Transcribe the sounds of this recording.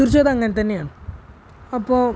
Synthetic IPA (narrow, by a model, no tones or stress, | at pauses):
urt͡ɕːoːðɐɐŋːɐnet̪ɐnːe̞jaːɳɨ | ɐpːoː